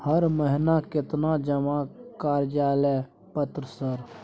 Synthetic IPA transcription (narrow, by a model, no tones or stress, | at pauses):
həɾməɦɪnakɪt̪nad͡ʒəmakaːɾd͡ʒaːlɛ | pət̪ɾəsəɾ